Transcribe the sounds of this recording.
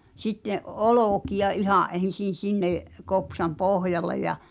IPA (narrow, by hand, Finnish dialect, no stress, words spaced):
sitːeʔ ʔoloˑkiɑ ihɑˑʔ ʔen̞sin̞ sinːeˑʔ kopsɑm pohjɑle jɑ